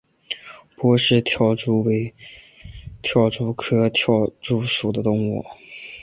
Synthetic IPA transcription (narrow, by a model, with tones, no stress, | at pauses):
pwɔ˧˥ʂɻ̩˥˧t̪ʰjɑ˥˩ʊʈ͡ʂu˥˩we˧˥ɪ | t̪ʰjɑ˥˩ʊʈ͡ʂu˥˩kʰɤ˥t̪ʰjɑ˥˩ʊʈ͡ʂu˥˩ʂu˨˩d̪ə˦t̪ʊ˥˧ŋɔ̰˥˩